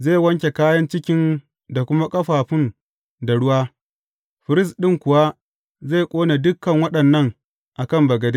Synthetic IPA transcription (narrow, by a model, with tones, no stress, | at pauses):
zeː˦˨wɐ˦ŋkʲe˨kaː˦jɐ˦nt͡ʃɪ˦kʲɪ˦n | da˨kʷʊ˦ma˦kʼɐ˦ɸaː˨ɸɪ˦n | da˨ɽʊ˦waː˦ | ɸɪ˨ɾɪ˦s̬ɗɪ˦ŋkʷʊ˨wa˦ | ze˦˨kʷʼoː˦ne˨dʊ˦kːɐ˨ŋwɐ˦ɗɐ˨nːɐ˦˨ŋ | ʔa˨kɐ˦˨mbɐ˨ɡɐ˨de˦